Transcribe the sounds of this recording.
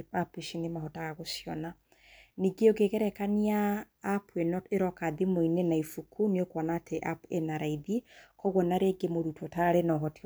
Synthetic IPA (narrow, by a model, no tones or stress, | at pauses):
papiʃinemahotaɣaɣosjɔna | niɡeoɡeɣɛɾɛkaniaː | puenɔeɾɔkaðimoinenaifukʰuniokwɔnatʰeʔapenaɾaiðikɔɣɔnaɾeɡemoɾutʰotaɾenɔɦɔti